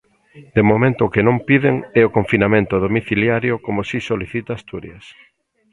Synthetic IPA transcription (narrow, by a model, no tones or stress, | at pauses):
d̪̥emomẽnt̪ʊkenõmpiðeŋɛokoɱfinamẽnt̪ʊðomiθiljaɾjokomosisoliθit̪aːst̪uɾjɐs